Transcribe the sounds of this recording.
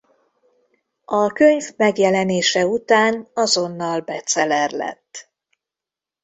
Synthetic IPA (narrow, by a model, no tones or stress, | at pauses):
ɒkøɲvmɛɡjɛlɛneːʃɛut̪aːnɒzo̞nːɒlbɛt̪sɛlɛrlɛ̰t̪ː